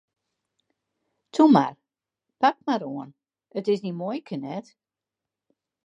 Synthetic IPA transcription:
tʰuma̰r | pak̚maɾoən | ətɪsnimoəjkʰənɛt

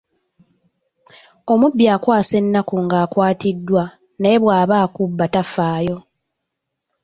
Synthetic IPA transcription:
o̞mubːjaːkwaːse̞nːakuŋɡaːkwaːtidːwa | nejeβwaːβaːkubːatafaːjo̞

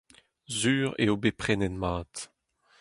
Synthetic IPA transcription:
zyːʁḛobepχɛnɛnmaːt

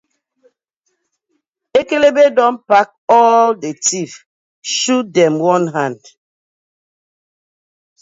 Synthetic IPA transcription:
ekelebedɔ̃npak̚ɔldetif | ʃut̚dɛ̃mwɔ̃nɦãnd̥

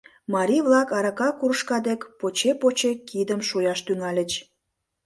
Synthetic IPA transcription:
mɑɾʲiβlɑkɑɾɑkɑkuɾəʃkɑd̪ekpot͡ɕepot͡ɕekid̪əmʃujɑʃt̪yŋɑlʲət͡ɕ

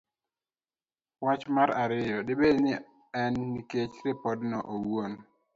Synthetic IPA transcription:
wat͡ʃmaɾaɾɪjɔdɪbednɪ | ɛnːiket͡ʃɾɪpɔdnɔʔowon

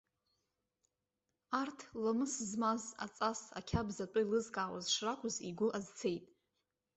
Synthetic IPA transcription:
artʰlamɨszmaza̰t͡sʼasa̰kʲʰabzatʼʊilɨzkʼaːwa̰zʂrakʷʰʼʊzḭɡʷʊʔazt͡sʰejtʼ

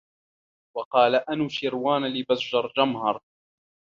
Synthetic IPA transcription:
wɑqɑːlaʔanuʃɪɾwaːnlɪbazd͡ʒɑɾˤd͡ʒamhɑɾˤ

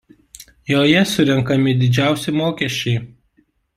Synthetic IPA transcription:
joːjɛsʊɾʲɛŋˑkɐmʲɪd̪ʲɪd͡ʒʲæˑʊsʲɪmoːkʲɛʃʲt͡ʃʲɛɪ

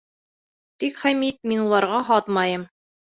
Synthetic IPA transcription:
t̪ikχæmit̪̚minulˠɑɾʁɑɦɑt̪mɑjɤm

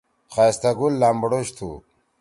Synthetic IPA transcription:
χast̪aɡulːambɽoɕt̪ʰṵ

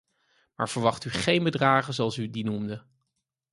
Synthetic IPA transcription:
maːɹv̥əɹʋɑχtyχejnbədraːχəzoɑlˠsydinumdə

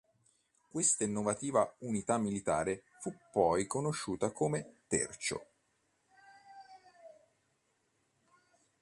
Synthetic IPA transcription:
kwest̪ainːovat̪iːvaunit̪amːilit̪a̰ːɾe | fupːɔjkonoʃːuːt̪akoːmet̪ḛrt͡ʃo̰

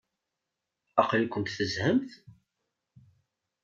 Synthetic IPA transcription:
ɑqlikʷːənt̪θəzhəmθ

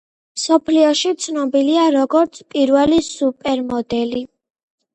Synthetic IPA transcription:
msɔpʰliɔʃit̪sʰnɔbiliaɾɔɡɔɾt̪sʰpʼiɾvɛlisupʼɛɾmɔd̪ɛli

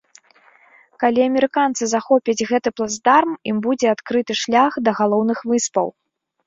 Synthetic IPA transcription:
kalʲiɐmʲɛɾɨkant̪sɨzaxɔpʲɐd͡zʲɣɛt̪ɨplˠazd̪armimbud͡zʲɛat̪kɾɨt̪ɨʂlʲaxd̪ɐɣalˠɔwnɨxvɨspɐ̰w

